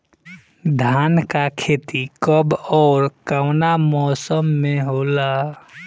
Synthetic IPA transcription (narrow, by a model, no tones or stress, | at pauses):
d̪ʱaːnkakʰeːt̪ikəbɔːɾkaʊnamɔːsəmːẽɦoːla